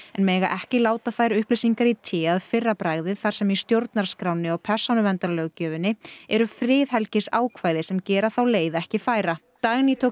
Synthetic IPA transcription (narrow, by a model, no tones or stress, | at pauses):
ɛnmɛːɣaʔɛhcɪlaːwt̪afajɾʏhplejsiŋkaɾit̪ʰɪaðfɪrːapɾaːɣðɪθaɾ̥sɛmist̪jowɾt̪naɾ̥skɾawnɪɔɣpʰɛr̥sanʏvɛnt̪alœɣcœːvɪnːɪɛɾʏfɾɪːðɦɛlcɪsaːwkʰvaːjðɪsɛmcɛːɾaθawleːjðaɛhcɪfaːjɾat̪aɣnit̪ʰo